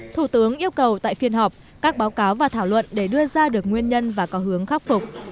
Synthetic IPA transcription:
t̪ʰu˧˩t̪ɨ˨˦əŋʔi˧əwkə˨˩wt̪a̰ː˧˨jfi˧ənɦɔ˨˩p̚ | kaː˦˥k̚ɓaː˨˦wkaː˨˦wvaː˨˩t̪ʰaː˧˩wlwə̰˧˨nɗe˧˩ɗɨ˧əzaː˧ɗɨ˨˩ək̚ŋwi˧ənɲə˧nvaː˨˩kɔ˨˦ɦɨ˨˦əŋxa˦˥p̚fʊ˨˩k͡p̚

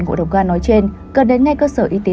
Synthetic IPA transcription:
ŋkṵ˧˨ɗə˨˩wŋ͡mɣaː˧nɔ˨˦jt͡ɕe˧n | kə˨˩nɗe˨˦nŋa˧jkəː˧səː˧˩ʔi˧t̪e˨˦

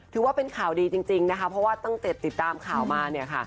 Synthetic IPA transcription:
t̪ʰɯː˨˩˦waː˥˩pe˧nkʰaː˨˩wdiː˧t͡ɕi˧ŋt͡ɕi˧ŋna˦˥kʰa˦˥pʰɾɔ˦˥waː˥˩t̪ɔ˥˩ŋt̪i˨˩t̪ːi˨˩t̪ːaː˧mkʰaː˨˩wmaː˧ni˥˩ɐkʰa̰˥˩

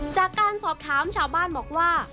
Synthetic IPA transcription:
t͡ɕaː˨˩kːaː˧nsɔː˨˩p̚t̪ʰaː˩˦˥mt͡ɕʰaː˧˩wbaː˥˩nbɔː˨˩k̚waː˥˩

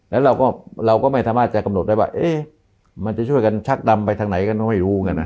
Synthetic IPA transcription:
lɛː˦˥wɾa˧wkɔː˥˩ɾa˧wkɔː˥˩ma˥˩jsaː˧˦maː˥˩t̪̚t͡ɕa˨˩ka˧mno˨˩t̪̚da˥˩jwaː˥˩ʔeː˧˥˩ | ma˧nt͡ɕa˨˩t͡ɕʰu˥˩əjka˧nt͡ɕʰa˦˥k̚da˧mpa˧jt̪ʰa˧ŋna˨˩˦jka˧nkɔː˥˩ma˥˩jɾuː˦˥˧ŋka˧na˦˥

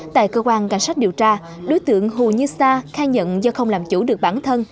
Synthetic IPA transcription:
t̪a̰ː˧˨jkəː˧kwaː˧nka̰˧˩jŋ̟sa˦˥k̟̚ɗi˨˩əwt͡ɕaː˧ | ɗo˨˦jt̪ɨ̰˧˨əŋɦu˨˩ɲɨ˧saː˧xaː˧ɲə̰˧˨nzɔ˧xə˧wŋ͡mlaː˨˩mt͡ɕu˧˩ɗɨ˨˩ək̚ɓaː˧˩nt̪ʰə˧n

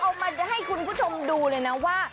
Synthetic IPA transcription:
kʰo˧ma˧nt͡ɕa˨˩ɦa˥˩jkʰu˧npʰuː˥˩t͡ɕʰo˧mduː˧lɤː˧jna˦˥waː˥˩

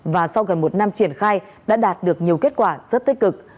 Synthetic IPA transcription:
vaː˨˩sa˧wɣə˨˩nmo˨˩t̚na˧mt͡ɕi˧˩ənxaː˧j | ɗa̰ː˧˥ɗaː˨˩t̚ɗɨ˨˩ək̚ɲi˨˩əwke˦˥t̚kwaː˧˩zə˦˥t̚t̪i˦˥k̟̚kɨ˨˩k̚

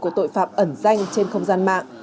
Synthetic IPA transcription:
ku˧˩ət̪o̰˧˨jfa̰ː˧˨p̚ʔə˧˩nza˧jŋ̟t͡ɕe˧nxə˧wŋ͡mzaː˧nma̰ː˧˨ŋ

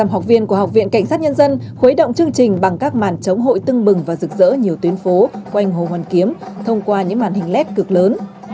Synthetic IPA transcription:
aː˨˧˩mɦa˨˩wk͡p̚vḭ˧ənku˧˩əɦa˨˩k͡p̚vḭ˧˨ənka˧˩ŋ̟saː˦˥t̚ɲə˧nzə˧nxe˨˦jɗə̰˧˨wŋ͡mt͡ɕɨ˧əŋt͡ɕï˨˩ŋ̟ɓa˨˩ŋkaː˦˥k̚ma̰ː˧˩nt͡ɕə˨˦wŋ͡mɦo̰˧˨jt̪ɨ˧ŋɓɨ˨˩ŋvaː˨˩zɨ˨˩k̚zə̰ː˧˥ɲi˨˩əwt̪wi˨˦ənfo˨˦kwa˧jŋ̟ɦo̰˨˩hwaː˨˩nki˨˦əmt̪ʰə˧wŋ͡mkwaː˧ɲɨ̰˧˥maː˨˩nhï˨˩ŋ̟lɛ˦˥t̚kɨ˨˩k̚ləː˨˦n

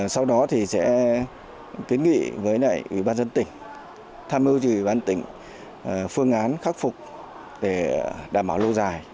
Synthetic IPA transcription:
sa˧wɗɔ˨˦t̪ʰi˨˩sɛ̰˧˥ | ki˨˦nŋḭ˧˨vəː˨˦jna̰ː˧˨jʔwḭ˧˩˨ɓaː˧nzə˧nt̪ï˨˩ŋ̟ | t̪ʰaː˧mʔi˧əwt͡ɕi˨˧˨wi˨˩ɓaː˧nt̪ï˧˩ŋ̟ | fɨ˧əŋʔaː˨˦nxaː˦˥k̚fʊ˨˩k͡p̚ | ɗe˧˩ɗaː˨˩mɓaː˧˩wlo˧zaː˨˩j

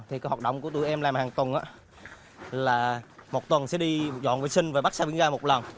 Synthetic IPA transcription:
t̪ʰi˨˩kaː˨˦jwaː˨˩t̚ɗə̰˧˨wŋ͡mku˧˩ət̪u˧˩˨ʔɛ˧mlaː˨˩mhaː˨˩ŋt̪wə˨˩nʔaː˨˧˥ | laː˨˩mo˨˩t̚t̪wə˨˩nsɛ̰˧˥ɗi˧zɔ̰˧˨nvə˨˩sï˧ŋ̟vaː˨˩ɓa˦˥k̚saː˧ɓi˧˥əŋzaː˧mo˨˩t̚lə˨˩n

